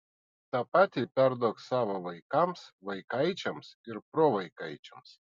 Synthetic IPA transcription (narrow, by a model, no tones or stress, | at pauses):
t̪ɑpɑːt̪ʲipʲæɾd̪oːksɑːʋoʋɐɪkɐmsʋɐɪkɐɪt͡ʃʲɛmsɪɾpɾoːʋɐɪkɐɪt͡ʃʲɛms